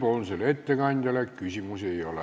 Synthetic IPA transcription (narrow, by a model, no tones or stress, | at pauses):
ponselet̪ːekɑnʲt̪ɑlækkysimuseiole